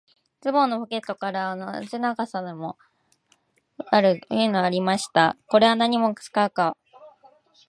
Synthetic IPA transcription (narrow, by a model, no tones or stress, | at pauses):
t͡sɨbo̞nːopo̞ke̞t̪ːo̞kaɾaːno̞̰zinaɡasad̪emo̞ | aɾɯ̟jɯ̟ːno̞aɾʲimaɕi̥t̪ako̞ɾe̞βanaɲ̟imo̞̥t͡sɨ̥kaɯ̟ka